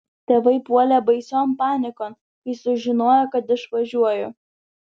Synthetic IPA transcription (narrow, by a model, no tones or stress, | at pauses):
t̪ʲeːʋɐɪpuɔlʲeːbɐɪsʲoːmpɑːnʲɪkoːn | ɪsʊʒʲɪnoːjokɐt̪ɪʃʋɐʒʲuɔjʊ